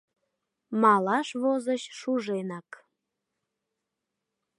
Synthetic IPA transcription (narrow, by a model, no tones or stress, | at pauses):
mɑlɑʃβozəɕʃuʒenɑk